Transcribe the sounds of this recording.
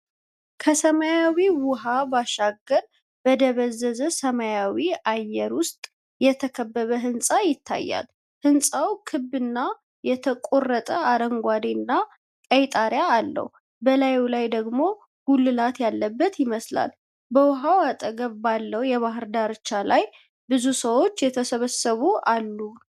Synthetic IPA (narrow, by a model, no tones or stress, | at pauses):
kʰəsəmajawiwʊɦabaʃaɡəɾ | b̥əd̪əβəzːəzəsəmajawiajːɛɾwʊst̪ʼ | jɛt̪ʰəkʰəbːəβəɦɨnsʼajɪt̪ʰːa̰jːa̰l | hɨnsʼawkʰɨbːɨnːa | jɛt̪ʰəkʼorːət̪ʼəad̪əŋɡʷad̪inːa | kʼəjt̪ʼaɾjaːlːə̰h | bəlajulajd̪əɡmo̞ | ɡ̥ulːɨlat̪jalːəbːət̪jɪməsla̰l | bəwʊɦawat̪ʼəɡəβbalːəwjɛβaɦɨɾd̪aɾɨt͡ʃːalaj | bɨzusəwo̞t͡ʃːjɛt̪ʰəsəβəsəβualːu